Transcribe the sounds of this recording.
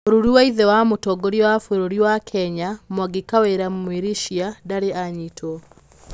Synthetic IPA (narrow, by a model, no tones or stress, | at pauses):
oɾuɾuwaiðɛwamotɔɡoɾiwafoɾoɾiwakʰɛɲamwaɡekaweɾammwiɾiʃiadaɾeaɲitʰɔ